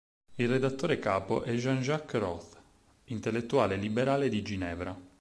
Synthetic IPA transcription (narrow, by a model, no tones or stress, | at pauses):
ilred̪at̪ːoːɾekaːpo̰ʔɛʒanʒakːrɔθ | int̪elːet̪ːuaːlelibeɾaːled̪id͡ʒinɛːvɾa